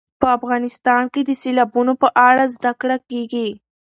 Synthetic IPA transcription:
pəafɣɑnɪst̪ɑnked̪əselabunopəʔaɽazd̪akɽakeɡi

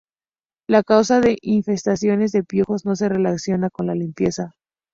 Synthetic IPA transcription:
lakawsaðe̞ʔiɱfe̞st̪asjo̞ne̞zðe̞pjuxo̞zno̞se̞re̞laksjo̞nako̞nlalimpje̞sa

